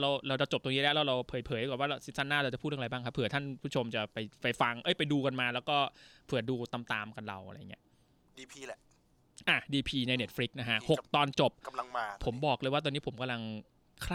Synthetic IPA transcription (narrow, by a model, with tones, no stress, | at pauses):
ɾa˧wɾa˧wɾa˧wt͡ɕo˨˩p̚t̪o˧niː˦˥lɛ˦˥ɾɛ˧˥wɾa˧wpʰɤː˨˩˦jpʰɤː˩˦ja˧kɔː˨˩waː˥˩ɾa˧si˦˥sa˥˩nːaː˥˩ɾa˧wt͡ɕa˨˩uː˥˩˥a˧jbaː˥˩ŋkʰpʰɯ˨˩˦t̪ʰa˥˩np̪ʰu˥˩t͡ɕʰo˧mt͡ɕa˨˩pa˧jpa˧jfa˧ŋʔɤ˦˥˩jpa˧jduː˧ka˧nmaː˧lɛː˦˥wkɔː˥˩pʰɯ˨˩ɐduː˧t̪a˧mt̪aː˧mka˧nɾa̰˧wʔa̰˧ɾa̰˧jːŋː˩˦˥ɐ | diː˧pʰiː˧˩ | ʔaː˨˩diː˧pʰiː˧na˧jne˦t̚fʰɾi˦˥k̚na˦˥kʰa˦˥ʔho˨˩k̚t̪ɔː˧nt͡ɕo˨˩p̚a˧ŋːʰ˧o˩˦mbɔː˨˩k̚lɤ˧jwaː˥˩ɔː˧ni˦˥pʰo˩˦mka˧mla˧ŋ | kʰɾaː˥